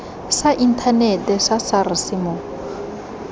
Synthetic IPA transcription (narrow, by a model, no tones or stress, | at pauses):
saʔin̩tʰanɛtɛsasarisimɔ